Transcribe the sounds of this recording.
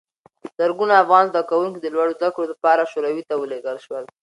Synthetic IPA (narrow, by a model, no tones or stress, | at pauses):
z̥əɾɡunaːfɣɑnzd̪akawuŋk̬id̪əlwaɽozd̪akɽolapɑɾaʃoɾawit̪awəleɡəlʃwəl